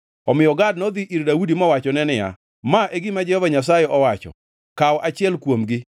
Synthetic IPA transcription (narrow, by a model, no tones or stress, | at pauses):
ɔmɪjɔɡadnod̪iʔiɾdawudimɔwat͡ʃɔnɛnɪja̰ | maʔeɡɪmad͡ʒɛhɔvaɲas̬ajɛɔwat͡ʃɔ̰ | kawɔʔat͡ʃɪɛlkwomɡɪ